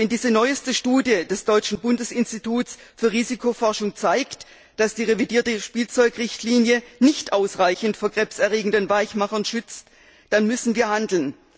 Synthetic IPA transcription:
vɛndiːzənɔʏəstəʃtuːdjədɛsd̥ɔʏt͡ʃn̩bʊndəsɪnstitʰuːtsfyːɐʁiːzikʰofɔɐʃʊŋt͡saɪkt | d̥asd̥iːʁevidiːɐtəʃpiːlt͡sɔʏkʁɪçtʰliːnjənɪçtʔaʊsʁaɪçn̩tfoːɐɡ̥ʁɛpsɛɐʁeːɡŋ̩dənvaɪçmaχɐnʃʏt͡st | d̥anmʏsn̩viːɐhandl̩n

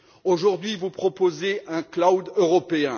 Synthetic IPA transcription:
oʒuʁd̪ɥivupχɔpozeɛ̃klawd̪øʁɔpeɛ̃

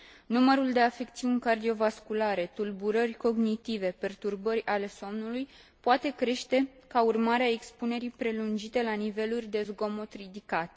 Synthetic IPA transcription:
numəɾuld̪e̞afe̞k̚t̪siunʲkard̪io̞vaskulaɾe̞t̪ulbuɾərʲko̞ɡnit̪ive̞pe̞rt̪urbəɾʲale̞so̞mnuluj | poat̪e̞kɾe̞ʃt̪e̞ | kaurmaɾeaekspune̞ɾipɾe̞lund͡ʒit̪e̞lanive̞lurʲd̪e̞zɡo̞mo̞t̪rid̪ikat̪

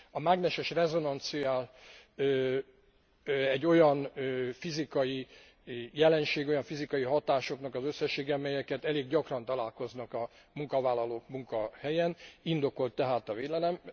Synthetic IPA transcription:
ɒmaɡnɛʃɛʃrɛzo̞nɒnt̪sijaːlː | ɛɟːo̞jɒnfizikɒji | jɛlɛnʃeːɡo̞jɒɱfizikɒjiɦɒt̪aːʃo̞knɒkɒzø̞sːɛʃːeːɡɛɒmɛjɛkɛt̪ɛleːɡɟɒkrɒnt̪ɒlaːlko̞znɒkɒ | muŋkɒvaːlːɒloːkmuŋkɒhɛjɛnind̪o̞ko̞lt̪ːɛɦaːt̪ɒveːlɛlɛm

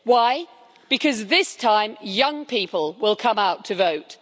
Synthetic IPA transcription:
waɪ | b̥ɨkʰʌzðɪstʰãɪ̃mjʌ̃ŋpʰiˑpəlˠwɪlˠkʰʌ̃maʊtʰəvoʊt

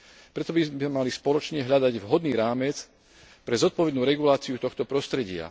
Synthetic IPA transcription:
pɾɛt̪ɔbizɛmalispɔlɔt͡ʃɲɛɦʎad̪aɟʋɦɔd̪niːɾaːmɛt͡s | pɾɛzɔt̪̚pɔʋɛd̪nuːɾɛɡulaːt͡siut̪ɔxt̪ɔpɾɔst̪ɾɛɟɪa̰

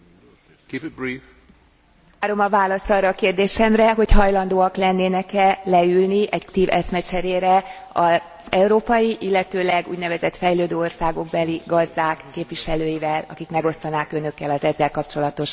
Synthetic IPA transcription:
kiːpɪt̪̚bɾiːf | aːɾo̞mɒvaːlɒst̪ɒrːɒːkeːrd̪eːʃɛmrɛɦo̞chɒjlɒnd̪oːɒklɛnːeːnɛkɛlɛylniʔɛɟkt̪iːvɛsmɛt͡ʃɛɾeːɾɛ | ɒ | z̥ɛuɾoːpɒjiʔilːɛt̪øːlɛɡṵːɟnɛvɛzɛt̪fɛjløːd̪øːo̞rsaːɡo̞ɡ̚bɛliɡɒzd̪aːkːeːpʋiʃɛløːjivɛlɒ̰kikmɛɡo̞st̪ɒnaːkønø̞kːɛlɒzɛzːɛlkɒpt͡ʃo̞lɒt̪o̞ʃ

